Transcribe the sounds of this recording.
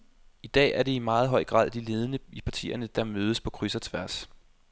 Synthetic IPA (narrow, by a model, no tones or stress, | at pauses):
id̥ɛ̰ːæɐɾ̥e̝imɑ̈ːð̞̩ˠɦɒ̽ɪ̰ɡ̥ʁɑ̰̈ðˠd̥ile̝ːð̞ˠənəipʰɑ̈t͡sʰḭːɐnəd̥ɑ̈møːð̞ˠəspʰɒ̽kʰʁysɐt͡sʰʋæɐs